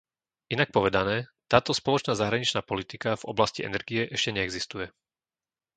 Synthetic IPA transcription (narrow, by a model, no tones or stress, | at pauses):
ʔinak̚pɔʋɛd̪anɛːt̪aːt̪ɔspɔlɔt͡ʃnaːzaɦɾaɲit͡ʃnaːpɔlit̪ikavɔ̰blasciɛ̰nɛɾɡiɛʔɛʃcɛɲɛɛɡzist̪ujɛ